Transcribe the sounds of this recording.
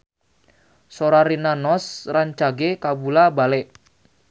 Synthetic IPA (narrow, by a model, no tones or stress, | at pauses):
soɾaɾinanɔsraɲt͡ʃaɡekabulabalɛʔ